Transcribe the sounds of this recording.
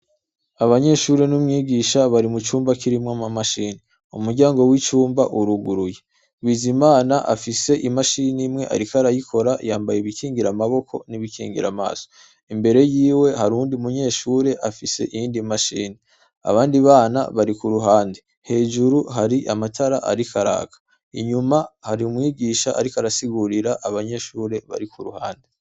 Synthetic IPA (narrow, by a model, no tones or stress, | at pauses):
aβaɲe̞ʃuɾe̞numŋiːɡiʃaβaɾimut͡ʃuːmbakiɾimŋamamaʃiːni | umuɾɟaːŋɡo̞wit͡ʃuːmbaʔuɾuɡuɾuje | wizimaːnaʔafise̞ʔimaʃinimŋe̞ʔa̰ɾikaɾajikʰo̞ɾajaːmbajeβikiːŋɡiɾamaβo̞kʰo̞̰niβikḭːŋɡḭɾa̰ma̰ːz̥o̥ | imbe̞ɾe̞jiːwe̞haɾuːndiumuɲe̞ːʃuːɾe̞ʔafise̞̰ʔijiːndimaʃiːni | a̰βaːndiβaːna̰βaɾikuɾuɦaːnde | he̞ːʒuɾuɦaɾiʔamatʰaɾaʔa̰ɾikaɾa̰ːkḁ | iɲumahaɾiumŋiːɡiːʃaa̰ɾikaɾasiɡuɾiɾaʔaβaɲe̞ːʃuːɾe̞βa̰ɾikuɾuhaːnde